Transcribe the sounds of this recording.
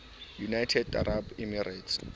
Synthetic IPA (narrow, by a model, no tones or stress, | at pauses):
junajtʰɛda̰ɾʔabimirats